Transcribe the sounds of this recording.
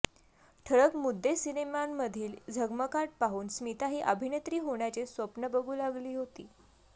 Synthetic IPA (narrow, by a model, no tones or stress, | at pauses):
ʈʰəɭəkmud̪ːesinemamːəd̪ʱiːld͡zʱəɡməkaʈ̚paɦuːnsmit̪aɦiːʔəbʱinet̪ɾiːɦoɳ̃jat͡ɕesʋəpnəbəɡʱuːlaɡliːɦot̪ḭː